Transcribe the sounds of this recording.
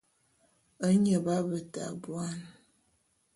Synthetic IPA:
ə˦ɲə˨ba˦bə˨ta̰˨bwa˦n

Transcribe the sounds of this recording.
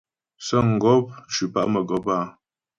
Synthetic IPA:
sə˦ŋ̩˨ɡɔ˦p̚t͡ʃʉ˨pa̰˦ʔmə˨ɡɔ˨˦pa˦˨

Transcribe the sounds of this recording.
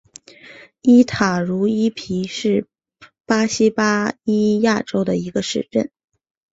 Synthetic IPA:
i˥t̪ʰa˨˩ɻu˧˥i˥pʰi˧˥ʂɻ̩˥˩ | pa˥ɕi˥pa˥i˥ja˥˩ʈ͡ʂo˥ʊd̪ə˨i˧˥ɡə˧ʂɻ̩˥˧ʈ͡ʂə˥˩n

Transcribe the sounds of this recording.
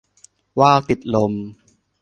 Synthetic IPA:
waː˥˩wt̪i˨˩t̪̚lo˧m

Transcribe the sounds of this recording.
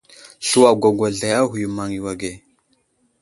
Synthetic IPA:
ɬu˦wa˨ɡʷa˨ɡʷa˨ɮa˨ja˦ɦu˨ju˨ma˨ŋi˨wa˨ɡe˨

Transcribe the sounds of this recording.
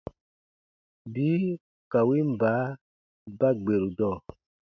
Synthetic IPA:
bi˦ | ka˨wi˦m̩˨baː˨˦ | ba˦ɡ͡be˨ɾu˨dɔ˦˨

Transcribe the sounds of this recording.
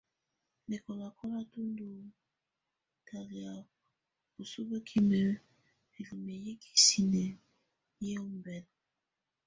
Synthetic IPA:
me˨kɔ˨la˨kʰɔ˦la˦tu˦ndu˨ | ta˨li˨a˨ | o˨su˦be˦kʰi˦me˨ | e˨li˨me˨je˦kʰi̥˦si˨ne˨ | je˦o˦mbɛ˨˦n

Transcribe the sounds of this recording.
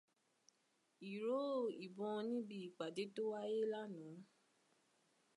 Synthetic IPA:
i˨ɾo˦˨i˨bɔ̃˧nĩ˦bi˦˨i˨k͡pa˨de˨˦to˦wa˦je˦la˦nũ˨˦

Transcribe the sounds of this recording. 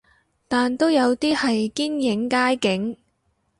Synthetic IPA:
t̪aː˨nt̪o˥wjɐ˨˧wt̪iː˥hɐ˨jkiː˥njɪ˨˥ŋkaː˥jkɪ˨˥ŋ

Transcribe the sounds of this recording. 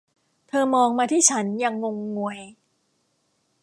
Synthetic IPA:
t̪ʰɤː˧mɔː˧ŋmaː˧t̪ʰiː˥˩t͡ɕʰa˦˥nja˧ŋːo˧ŋːu˧˩əj

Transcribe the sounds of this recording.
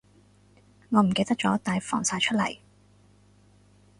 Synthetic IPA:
ŋɔː˨˧m̩˨˩ke˧jt̪ɐ˥k̚t͡ʃɔː˨˥t̪aː˨jfɔ̰ː˨˩ŋsaː˧jt͡ʃʰɵ˥t̚lɐ̰˨˩j

